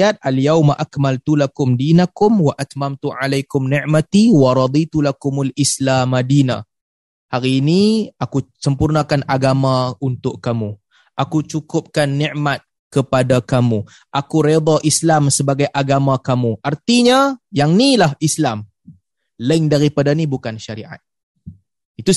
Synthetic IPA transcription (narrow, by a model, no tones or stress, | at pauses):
at̪̚ʔaljawmaʔakmalt̪ulakʊmdinakʊmwaʔat̪mamt̪uʕalajkʊmnɪʔmat̪iwɑɾˤɑd̪it̪ulakʊmulʔislaːmadina | haɾiːniʔakusəmpurnakanʔaɡamaunt̪ʊʔkːamu | ʔakut͡ʃukʊp̚kanːiʔmat̪̚ | kəpadakamu | ʔakuɾed̪aʔislamsəbaɡajʔaɡamakamuʔart̪iɲajaŋnilahislam | laɪŋdaɾipadanibukanʃaɾiʔa̰t̪̚ | it̪u